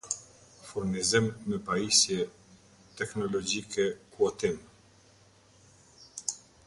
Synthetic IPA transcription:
fuɾnizimːɛpaisjɛ | t̪ɛknɔlɔd͡ʒikʰɛkuɔt̪im

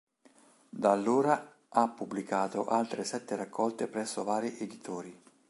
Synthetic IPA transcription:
d̪alːoːɾa | apːubːlikaːt̪oʔalt̪ɾesɛt̪ːeɾakːɔlt̪epɾɛsːovaːɾiʔed̪it̪ʰoːɾi

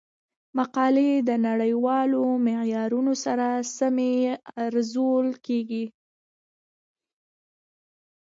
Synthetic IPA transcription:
maqɑled̪ənaɽəjwɑlomɪjɑɾunosaɾasameaɾzolkeɡi

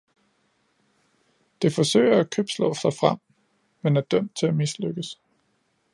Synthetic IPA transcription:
d̥e̝fɒ̽sø̰ɪ̰ɐækʰøb̥slɔ̰̽ːsɑ̈ɪfʁam̰ | menæɐd̥œm̰d̥̚t͡sʰe̝æmisløɡ̥əs

